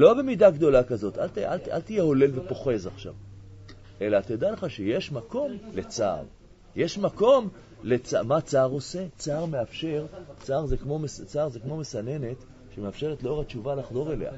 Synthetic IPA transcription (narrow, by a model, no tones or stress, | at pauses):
lo̞be̞mid̪aɡd̪o̞lakazo̞t̪alt̪ala̰lt̪ijeho̞le̞lve̞po̞χe̞zaχʃa̰v | ʔe̞laːt̪jad̪aleχaʃejeʃmako̞mle̞t͡sa̰ːʁ | jeʃmako̞m | let͡sa̰mat͡saːʁo̞se̞t͡saːʁme̞afʃe̞ʁt͡saːʁzekmo̞mest͡saʁzekmo̞mesane̞ne̞t | ʃemeafʃe̞ʁetleoʁat͡ʃuvalaχdo̞ʁe̞le̞̰ha̰